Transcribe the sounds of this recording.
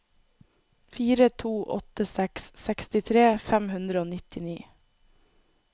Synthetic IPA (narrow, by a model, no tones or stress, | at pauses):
fiːɾət̪ʰuːʔɔ̰t̪əsɛkssɛkst̪ɪt̪ʰɾeːfæmhʉnd̪ɾəoːnɪt̪ɪniː